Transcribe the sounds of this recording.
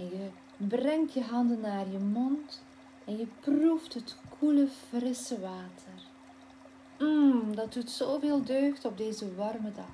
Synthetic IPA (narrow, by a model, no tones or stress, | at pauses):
ɛnjə | brɛŋtjəɦɑndənːaːrjəmɔnt | ɛnjəpruftɦətkʰuləfrɪsəʋaːtʰər | m̩dɑt̚dutsoːveːlˠdøːxtɔb̚deːzəʋɑrmədɑx